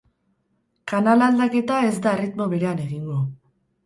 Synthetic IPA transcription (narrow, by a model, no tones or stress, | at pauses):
kanalald̪ake̞t̪ae̞zd̪aerit̪mo̞βe̞ɾe̞ane̞ɣiŋɡo̞